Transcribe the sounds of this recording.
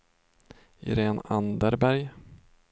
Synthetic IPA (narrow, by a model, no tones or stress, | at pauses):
ɾeːnand̪əɾbæɾj